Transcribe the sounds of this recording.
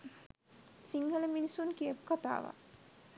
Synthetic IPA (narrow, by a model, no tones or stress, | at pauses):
siŋɦələminisunkiəpu̥kat̪a̰ːʋa̰